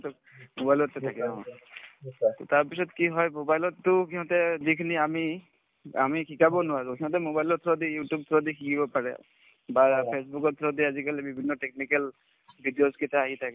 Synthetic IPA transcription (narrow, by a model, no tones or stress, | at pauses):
t̪ | mobajlɔt̪ːɛt̪ʰakɛdaɦɔ̰̃ | t̪t̪aɹpisɔt̪kiɦɔjmobajlɔt̪ːukʰiɦɔ̃t̪ɛd̪ikʰniami | amikʰikabɔnʊwaɾukʰiɦɔ̃t̪ɛmobajlɔt̪ʰɾɔd̪ijutub̚t̪ʰɔd̪ikʰikibɔpaɹɛ̰ | bapʰesbukɔt̪ʰɾɔd̪iazikalɛbibʱinːɔʈek̚nikal | bʱiɖijozkɛt̪aaɦit̪ʰakɛ